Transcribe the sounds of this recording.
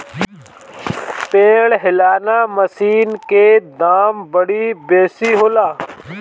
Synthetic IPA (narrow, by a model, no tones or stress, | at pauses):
pẽːɽɦɪlaːnaːməsiːnkeːd̪aːmbəɽiːbeːsiːɦoːlaː